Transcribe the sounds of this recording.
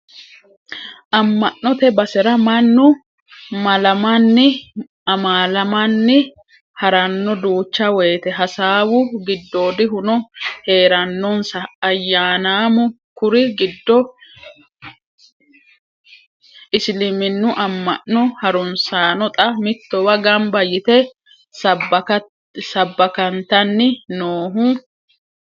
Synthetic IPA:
ʔɐmːɐʔnɔt̪ɛbɐsɛɾɐmɐnːʊ | mɐlɐmɐnːɪ | ɐmaːlɐmɐnːɪ | hɐɾɐnːɔd̪uːt͡ʃːɐwɛːt̪ɛɦɐsaːwʊɡɪd̪ːoːd̪ɪɦʊnɔhe̞ːɾɐnːɔnsɐːjːaːnaːmʊ | kʊɾɪɡɪd̪ːɔ | ɪslɪmɪnːʊʔɐmːɐ̰ʔnʊhɐɾʊnsaːnɔt̪ʼɐmɪt̪ːɔwɐɡɐmbɐjɪt̪ɛ | s | sɐbːɐkɐnt̪ɐnːɪnoːɦʊ

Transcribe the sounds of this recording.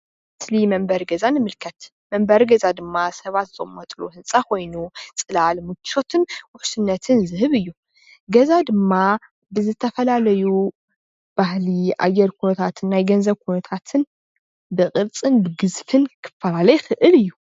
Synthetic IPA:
slimɐmbɐɾɡɐzanɨmɨlkʰɐt̪ | mɐmbɐɾɡɐzad̪ɨmːasɐβat̪z̥ɨɨmːɐt̪ʼluhɨnsʼakʰo̞jnut͡sʼɨlalmɨt͡ʃʰːo̞t̪ʰɨnwʊħsɨnːɐt̪ʰɨnzɨhɨβɨjːu | ɡɐzad̪ɨmːa | bɨzɨt̪ʰɐfɐlalɐju | b̥ahliʔa̰jːɛɾkʰunɐt̪ʰat̪ʰɨnːajɡɐnzɐβkʰunɐt̪ʰat̪ʰɨn | bɨkʼɨɾt͡sʼɨnbɨɡɨzfɨnkʰɨ̥fːɐlalɐjxɨʔɨlɨjːu

